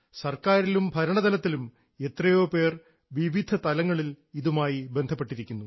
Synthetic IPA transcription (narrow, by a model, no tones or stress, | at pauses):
sɐrkaːɾilumbʱɐɾɐɳɐðɐlɐt̪ːilum | e̞t̪rɐjo̞ːpe̞ːr | ʋiʋid̪ʱɐt̪ɐlɐŋːɐɭil | iðumaːjibe̞nd̪ʱɐpːe̞ʈːiɾikʲːunːu